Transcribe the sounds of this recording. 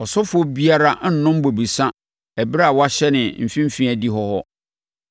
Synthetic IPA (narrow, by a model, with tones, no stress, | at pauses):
ɔ˨sʊ˦fʊ˦ɔ˦bi˦a˦ɾa˦n̩˦nʊ̃˦m˦bo˨bi˨sã˦ | ɛ˨bɾa˦a˨wa˦ɕɛ˦nɪ̃˨m̩˨fĩ˦m̩˦fĩ˦æ˨di˦ɦɔ˦hɔ˦